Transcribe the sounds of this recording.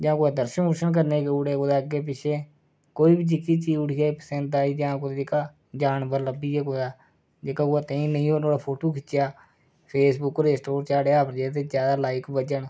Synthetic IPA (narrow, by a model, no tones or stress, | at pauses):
d͡ʒãːkoːad̪əɾʃənʊʃənk̬əɾneːkeʊɽeːkoːd̪aːəɡeːp̬ɪʃʰeː | koːiːbid͡ʒɪkːiːt͡ʃiːʊɽʰɪjaːiːpəsɛ̃nt̪aːiːd͡ʒãːkod̪eːɪkaː | d͡ʒaːnbəɾləbiːeːkod̪aː | d͡ʒeːkaːoaːt̪ẽːĩːnəĩːoːnoːɽaːpʰoːʈoːkʰɪt͡ʃːjaː | pʰeːsbʊkːɾeːsʈoːɾt͡ʃaːɽeːaːpənd͡ʒeːt̪̬eːd͡ʒjaːd̪aːlaːɪkbəd͡ʒəɳ